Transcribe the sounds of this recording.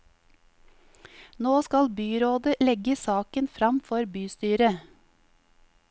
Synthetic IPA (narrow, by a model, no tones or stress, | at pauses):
noːskɑlbyːɾoːd̪əlɛɡəsɑːkənfɾɑmfɔɾbyːst̪yːɾə